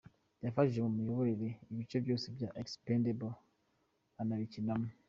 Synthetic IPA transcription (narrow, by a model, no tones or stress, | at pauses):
jafaʒemumijoβoɾeɾeiβit͡ʃobjoːsebjaʔekspendebo | anaβicinamu